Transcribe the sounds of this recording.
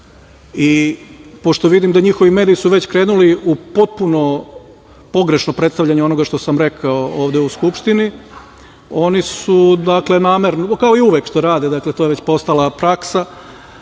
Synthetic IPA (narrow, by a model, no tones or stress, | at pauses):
ipo̞ʃt̪o̞ʋid̪imd̪aɲixo̞ʋime̞ːd̪ijisuʋe̞t͡ɕkɾe̞ːnuliupo̞t̪̚puno̞ | po̞ɡɾe̞ʃnopɾet̪st̪avʎaɲeo̞no̞ɡaʃt̪o̞samɾe̞kʰaooːʋd̪euskupʃt̪ini | o̞nisud̪akle̞naːmeɾnokao̞iuʋekʃt̪o̞ɾaːd̪ed̪akle̞t̪ojee̞t͡ɕpo̞st̪alapɾaksa